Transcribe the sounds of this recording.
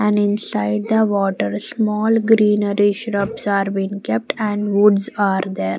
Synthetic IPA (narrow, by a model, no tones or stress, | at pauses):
ɛ̃ɳɖɪ̃nsaɪɖ̚d̪əʋɔːʈəɾsmɔːlɡɾĩːnəɾiʃɾəpsaːɾbĩːnkɛp̚ʈɛ̃ɳɖʋʊɖsaːɾd̪eːɾ